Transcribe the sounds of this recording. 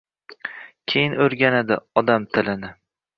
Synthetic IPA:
kʲʰejɪnɵɾɡʲanad̪ɪɒd̪amt̪ʰɪlɪnɪ

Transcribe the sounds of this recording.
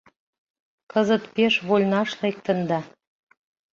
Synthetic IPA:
kɤzə̆t̪peʃβolʲnɑʃlek̚t̪ə̆nd̪ɑ

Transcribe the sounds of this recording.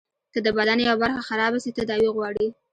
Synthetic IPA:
kəd̪əbad̪anjawabaɾxaxaɾɑbasit̪ad̪ɑwiɣwɑɽi

